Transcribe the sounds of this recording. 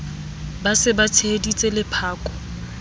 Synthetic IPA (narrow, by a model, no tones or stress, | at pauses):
basɪbat͡sʰedit͡sʼelɪpʰaːkʼɔ̥